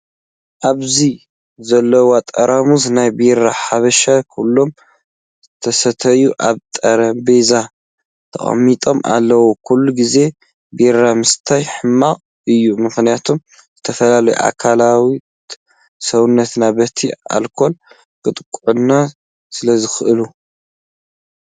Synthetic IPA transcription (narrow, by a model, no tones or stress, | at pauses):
ʔaβzi | zɐlːɐwat̪ʼɐɾamuznajbiɾaħaβɐʃakʰulːo̞m | t̪ʰɐsɐt̪ʰɐjuʔaβt̪ʼɐɾɐmbeza | t̪ʰɐ̰χʼɐ̰mːit̪ʼo̞mʔa̰lːɐwukʰulːuɡize̞ | biɾamɨst̪ʰajħɨmːaqʼ | ʔɨjːumɨxnijat̪ʰum | zɨt̪ʰɐfɐlalɐjṵʔa̰kʰalawi | sɐwnːɐt̪nabɐt̪ʰia̰lkʰo̞l | kʼɨt̪ʼkʼʕunːa | sɨlɐzɨxɨʔɨlu